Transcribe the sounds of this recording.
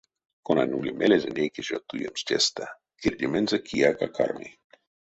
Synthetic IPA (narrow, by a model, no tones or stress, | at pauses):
konanʲulʲemʔelezenʲekeʒot̪ujemst͡ʃʲest̪a | kirdʲemenzakʰijakaka̰rmḭ